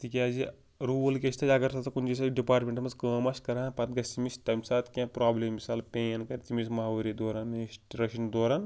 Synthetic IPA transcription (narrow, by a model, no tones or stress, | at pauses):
t̪ikʲaːzi | ɾuːlkʲeʃʲt̪ʰɐɐɡɐɾsɐt̪ɐkund͡ʒis̬aɖipaːɾʈmeɳʈmɐzkəːmaʃkɐɾaːpɐt̪ɡɐsʲt̪imisʈɐmsaːt̪kʲãpɾaːbleːmːisaːlpʲeːnkɐɾt̪imismɐɦauɾid̪oːɾaːneʃʈɾɐʃind̪oːɾaːn